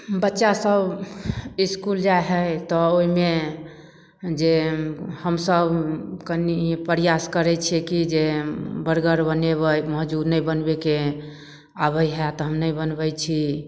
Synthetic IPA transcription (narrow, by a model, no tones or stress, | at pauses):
bətːʃasəb | iskuld͡ʒaeɦəjt̪ɔoɦime | d͡ʒehəmsəbkənipəɾijaskəɾɛt͡ʃʰɛkid͡ʒebəɾɡəɾbəneβəməɦd͡ʒuɾnəjbənbeke | aβəjɦɛt̪ɔɦəmnəjbənbəjt͡ʃʰi